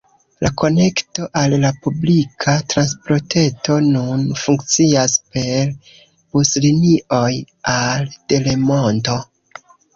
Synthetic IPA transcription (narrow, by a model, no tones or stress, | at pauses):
lako̞ne̞kto̞ʔalːapublikʰatɾanspɾo̞te̞to̞nunfuŋkt͡siaspe̞ɾ | busliniʔo̞j | ald̥e̞le̞mo̞nto̞